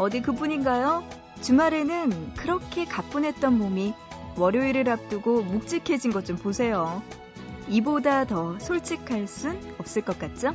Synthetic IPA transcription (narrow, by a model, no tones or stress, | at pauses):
ʌdikɯbuɲinɡajo | t͡ɕumaɾe̞nɯnkɯɾʌkʰe̞kap͈unɦe̞t̚t͈ʌnmomiwʌɾjoiɾɯɾap̚t͈ɯɡomuk̚t͡ɕ͈ikʰe̞d͡ʑinɡʌt͡ɕ͈omposʰe̞jo | ibodatʌsʰoɭt͡ɕ͈ikʰaɭs͈unʌp̚s͈ɯɭk͈ʌk͈at̚t͡ɕ͈o